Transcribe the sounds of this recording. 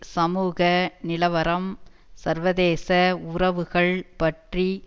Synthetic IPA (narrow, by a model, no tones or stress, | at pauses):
sɐmuːɣɐnɪlɐʋɐɾɐm | sɐɾʋɐðeːsɐʊrɐʋɯɣɐɭpɐʈri